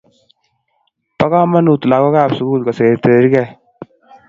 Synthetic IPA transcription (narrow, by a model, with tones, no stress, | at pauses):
pa˦ka˦ma˦nu˨tla˨kɔ˦kaː˦˨psu˨˦kuː˦lka˨se˨ɾt̪e˨ɾi˦kɛ˨